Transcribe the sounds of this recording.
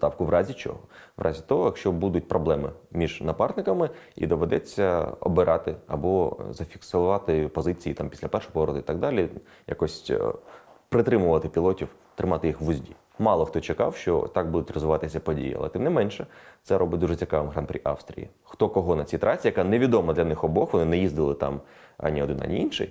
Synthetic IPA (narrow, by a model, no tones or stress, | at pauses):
st̪ɑwkʊʋrʔɑzʲit͡ʃɔ̰ɦɔʋrʔa̰zʲit̪ɔɦɔjɐkʃt͡ʃɔbud̪ʊt̚ʲpɾʔɔblˠɛmɪmʲiʒnɐpɑrnɪkɐmɪḭd̪ɔʋɛd̪ɛt͡sʲːɐɔ̰bɪɾʔɑt̪ɪɐ̰bɔzɐfʲi̥ksʊʋɑt̪ɪpɔzɪt͡sʲijit̪ɑmpʲi̥slʲɐpɛrʂʊjpɔʋɾɔd̪ʊit̪aɡ̚d̪ɑlʲi | ja̰kɔsʲtʲ | pɾɪt̪ɾɪmʊʋɐt̪ɪpʲilˠɔtʲiw | t̪ɾɪmɑt̪ɪjixʋʊzʲdʲḭ | mɑlˠɔxt̪ɔt͡ʃɪkɑwʃt͡ʃɔ̰t̪ɑk̚bud̪ʊtʲrɔzʋɪʋɑt̪ɪsʲɐpɔdʲḭjḭɐ̰ɛ̰t̪ɪmnɪmɛnʃɛt̪sɛɾʔɔbɪt̚ʲd̪uʐɛt͡sʲikɑʋɪmɦɾɑnpɾʲḭʔɑ̰fst̪ɾʲḭjḭ | xt̪ɔkɔɦɔnɐt͡sʲijt̪ɾʔɑt͡sʲijɐkaneʋʲid̪ɔmɐd̪lʲɐnɪxɔbɔxʋɔnɪnɛjizd̪ɪlˠɪt̪ɑ̰m | ɐ̰nʲiɔd̪ɪnɐ̰nʲiinʃɛ̰j